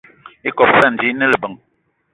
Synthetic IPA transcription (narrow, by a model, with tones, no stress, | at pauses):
i˦kɔ˨p̚sɛ˦˨n̩˨d͡ʒi˨˦nə˦lə˨bə˨ŋ